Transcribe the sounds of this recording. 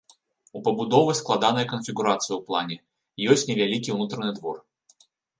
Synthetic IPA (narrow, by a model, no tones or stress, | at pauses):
upɐbud̪ɔvɨsklˠad̪anɐjɐkənfʲiɡuɾat̪sɨjəwplˠanʲɛ | jɔsʲtʲnʲɛvʲalʲikʲiunut̪ɾɐnɨd̪vɔr